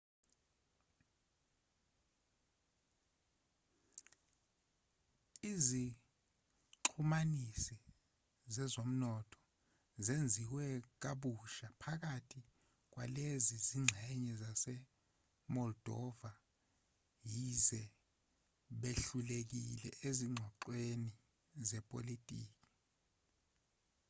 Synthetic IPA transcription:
izi | ǃʰumanisi | zɛzom̩nɔtʰɔ̥ | zend͡zʱiwɛk̬aɓuʃapʰak̬atʰi | k̬waleziziŋ͡ǁʱɛɲɛzasɛ | mɔld̥ʱɔva | jizɛ | ɓeɬulek̬ilɛ̰ʔeziŋ͡ǀʱwɔǃweni | zɛpʼolitʼḭːk̬ʼi̥

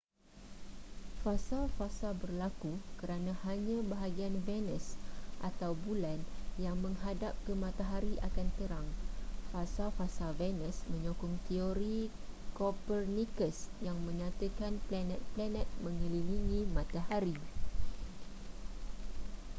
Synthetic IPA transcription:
fasalfasabərlakukəɾanãhaɲãbaɦaɡianvɛnəsʔat̪awbulanjaŋmə̃ŋɦadap̚kəmãt̪aɦaɾiʔakant̪əɾaŋfasafasavɛnə̃smə̃ɲokʊŋt̪ioɾikopərnikəsjaŋmə̃ɲãt̪əkanplanɛ̃t̪̚planɛ̃t̪̚mə̃ŋililiŋĩmãt̪ahaɾi

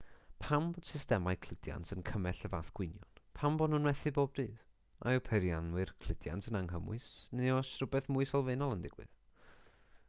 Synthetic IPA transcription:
pʰambɔd̥sɪstɛmajkʰl̥ɪd̥ja̰ntənkʰəmɛɬəvaːθɡ̥wɪnjɔnpʰambɔdnunwɛθɨboːb̚diːð̥ | ʔa̰ɔpʰɛɾjanwɨrkʰl̥ɪdja̰ntənaŋɦəmʊ̰ɨsneɔsrʊbɛθmʊɨsɔlˠveːnɔlˠəndɪɡ̥wɨ̰ð

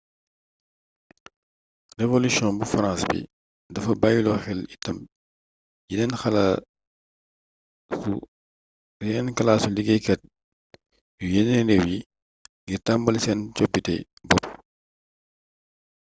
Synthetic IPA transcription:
revolisjɔ̃nbufɐɾãnsbḭ | dɐfɐbaːjulɔxɛlitɐm | jinɛnxɐla | u | inɛnkɐlaːsuliɡɛkɛt̚ | jujɛnɛɾɛwji | ɡitɐmbɐlsɛnt͡ʃɔbitɛ̰ | bɔp̚

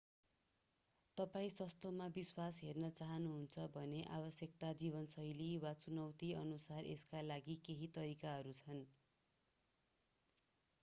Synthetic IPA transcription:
t̪ʌpaĩsʌst̪omabiswasɦernʌt͡saɦʌnuɦunt͡sʰʌbʱʌneʔabʌsjʌk̚t̪ad͡ziβʌnsʌjliwat͡sunʌwt̪iʌnusarḛskalaɡikeɦit̪ʌɾikaɦʌɾut͡sʰʌn

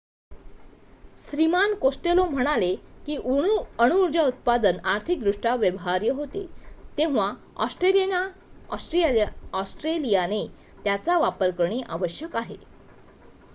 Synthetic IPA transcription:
sɾimankosʈelom̤əɽ̃alekiːʔuɽəɽ̃uːɾd͡ʑaut̪̚pad̪ənaɾt̪ʰik̚d̪ɾuʂʈaʋjəʋɦaɾjəɦot̪ḛt̪ẽʋa | ɔ̰sʈɾelijenaɔsʈɾiaɔsʈɾelijane | t̪jat͡saʋapəɾkəɾɳiːʔaʋəɕjəkaɦḛ

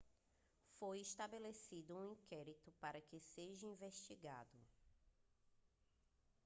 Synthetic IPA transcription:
fojiʃt̪abelesid̪ʊũĩkɛɾit̪ʊpaɾɐkɪseʒɐĩveʃt͡ʃiɡa̰d̪ʊ

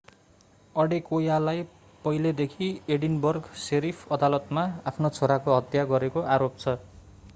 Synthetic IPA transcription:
ʌɽekojalaj | pʌjled̪ekʰieɽinbʌrɡseɾipʰʌd̪alʌt̪maapʰnot͡sʰoɾakoɦʌt̪jaɡʌɾekoʔaɾop̚t͡sʰʌ

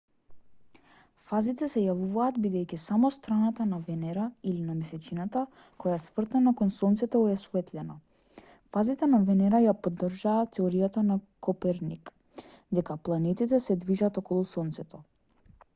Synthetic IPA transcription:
fazit̪ɛsɛjavuvaːd̪bid̪ɛjkisamɔst̪ɾanat̪anavɛnɛɾailinamɛsɛt͡ʃinat̪a | kɔjasvr̩t̪ɛnakɔnsɔnt̪sɛt̪ɔɛsuvɛt̪lɛna | fazit̪ɛnavɛnɛɾajapɔd̪ːrʒaːt̪ːɛoɾijat̪anakɔpɛɾnik | d̪ɛkaplˠanɛt̪it̪ɛsɛd̪viʒat̪ɔkɔlˠusɔnt̪sɛt̪ɔ

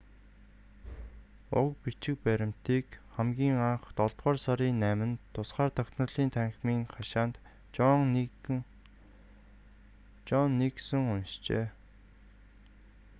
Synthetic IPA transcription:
ʊ̰kpit͡ɕɪ̆k̚pæɾʲɪ̆m̥t̪iːkχæmɡʲiːŋaɴχt̪ɔɮt̪ʁɔːrsɔɾiːnːæːmɘ̆nt̪ʰʊsχaːrt̪ʰœkʲt̪nɞ̆ɮiːnt̪ʰæŋxʲmiːŋχaʃaːnt̪ | t͡ɕɔnːiksɘ̆ŋʊnʃt͡ɕḛː

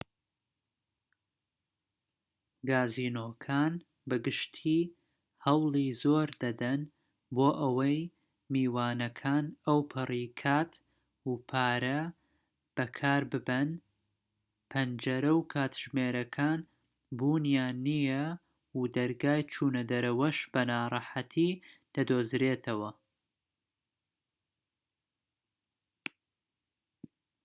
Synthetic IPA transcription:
ɡaːziːnoːkʰaːn | bɨɡɨʃt̪ʰiː | hɐwlˠiːzoːɾd̪ɐd̪ɐn | boːʔɐwɐj | miːwaːnɐkʰaːnɐwpʰɨriːkʰaːt̪ | upʰaːɾɐ | b̥ɐkʰaːɾbɨbɐn | pʰɐnd͡ʒɐɾɐwkʰaːt̪ʒ̥meːɾɐkʰaːn | buːnjaːnijɐ | ud̪ɐɾɡaːjt͡ʃʰuːnɐd̪ɐɾɐwɐʃbɐnaːɾˤɑħat̪ʰiːd̪̥ɐd̪oːzɾeːt̪ʰɐwɐ

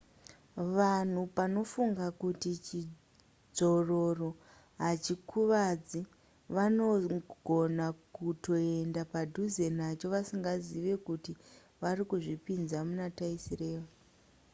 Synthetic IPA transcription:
ʋan̤upano̞fuŋɡakutit͡ʃi | d͡zo̞ro̞ro̞ | ɦat͡ʃikʰuʋad͡zi | ʋano̞ɡ̥ʱo̞nakuto̞e̞ndapadʱuze̞nat͡ʃo̞ʋasiŋɡaziʋe̞kuti | ʋaɾikuʐipinzamunataisire̞ːʋa

